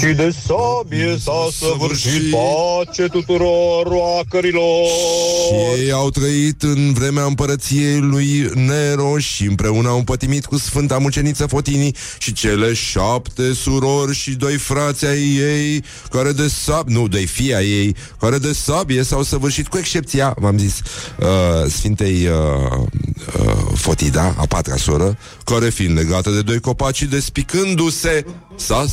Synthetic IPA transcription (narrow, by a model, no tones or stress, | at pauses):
ʃid̪e̞sabiesawsəvɨrʃiat͡ʃet̪ut̪uɾoɾwakəɾiloʃijejjawt̪ɾəit̪ɨnvɾe̞meaɨmpəɾət̪sije̞jlujneɾo̞ʃiɨmpɾe̞unəawɨmpət̪imit̪kusfɨnt̪amut͡ʃe̞nit̪səfo̞t̪ini | ʃit͡ʃe̞le̞ʃapt̪e̞suɾo̞rʲʃid̪o̞jfɾat̪sʲajːej | kaɾe̞d̪e̞sabnud̪o̞jfiaje̞j | kaɾe̞d̪e̞sabije̞sawsəvɨrʃit̪kue̞kʃt͡ʃe̞p̚t̪siamamzisəsfint̪ejə | fo̞t̪id̪a̰a̰pat̪ɾa̰suɾə | kaɾe̞finle̞ɡat̪əd̪e̞d̪o̞jko̞pat̪ʃid̪e̞spikɨnd̪use̞ | sa